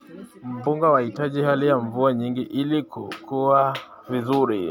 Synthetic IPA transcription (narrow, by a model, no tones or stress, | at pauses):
m̩puŋɡawahitaʄihalijaɱvuaɲiŋɡiʔilikṵkʰua | vizuɾḭ